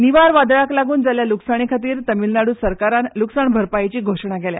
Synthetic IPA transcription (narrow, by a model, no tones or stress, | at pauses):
niʋaɾʋad̪ɭaklaɡuːnd͡zaljaluksaɽ̃ekʰat̪iːɾt̪əmilnaɽuːsəɾkaɾanluksaɳbʱəɾpajt͡ɕiːɡʱoʂɳaɡɛlja̰